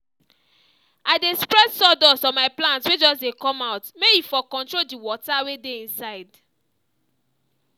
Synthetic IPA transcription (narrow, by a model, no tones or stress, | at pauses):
aɪdespɹɛdsɔdɔsɔ̃nmaɪplãntswed͡ʒɔsdekɔ̃maʊtmejifɔkɔ̃ntɹoldiwɔtawedeĩnsaɪd